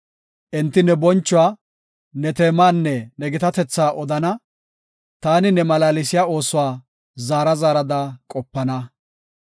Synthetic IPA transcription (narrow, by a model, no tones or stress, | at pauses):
ʔɪnt̪ːɪnɛbɔnt͡ʃːʊwaː | nɛt̪eːmaːnːɛnɛɡɪt̪ɐt̪ɛt͡sːaːʔɔd̪ɐnɐ | t̪aːnɪnɛmɐlaːlɪsɪjaːo̞ːsʊwaː | zaːɾɐzaːɾɐd̪akʼɔpːɐnɐ